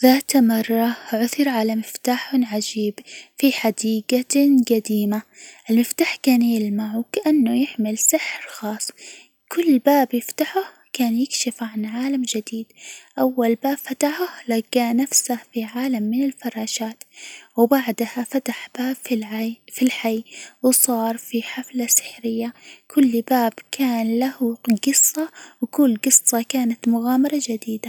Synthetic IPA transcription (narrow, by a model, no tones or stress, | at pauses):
ðaːt̪mɑrˤːɑʕʊθɪɾʕalamɪft̪aːħʊnʕad͡ʒiːbfiħad̪iːɡaɡad̪iːmaʔɪlmɪft̪aːħkaːnjɪlmaʕwkaʔanːʊjɪʕmɪlsɪħɾxɑːsˤ | kʰʊlːbaːbjɪft̪aħʊh | kaːnjɪkʃɪfʕanʕaːlamd͡ʒɪd̪iːd̪ʔawːalbaːb̥fat̪aħʊhlaɡaːnafsahfiʕaːlamːɪnɪlfɑɾˤɑːʃaːt̪wbaʕd̪hafat̪aħb̥aːbfʕfilħajwsˤɑːɾˤfiħaflasɪ̥ħɾɪjːakʰʊlːbaːbkʰaːnlahuɡɨsˤːɑwkʊlːɡɨsˤːɑkaːnat̪mʊɣaːmɑɾˤɑd͡ʒad̪iːd̪a